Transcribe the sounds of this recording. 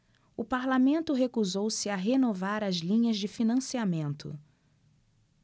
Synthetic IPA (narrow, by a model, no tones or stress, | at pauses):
ʊpaɾlamẽnt̪ʊɦekuzowsɪaɦenovaɾɐzlĩɲɐzd͡ʒɪfinɐ̃siamẽnt̪ʊ̰